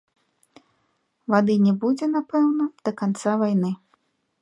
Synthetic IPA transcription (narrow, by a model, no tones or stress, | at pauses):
vad̪ɨnʲɛbud͡zʲɛnapɛwnɐd̪̥ɐkant̪savajnɨ